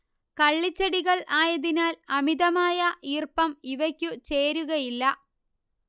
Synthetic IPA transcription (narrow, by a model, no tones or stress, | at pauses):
kɐɭːit͡ɕːɐɽiɣɐɭʔaːjɐðinaːlɐmiðɐmaːjɐʔiːrpɐmiʋɐkʲːut͡ɕe̞ːɾuɣɐjilːɐ